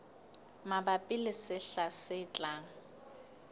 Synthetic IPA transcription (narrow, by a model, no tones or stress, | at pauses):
mabapʼɪlɪsɪɬasɪt͡ɬʼaːŋ̩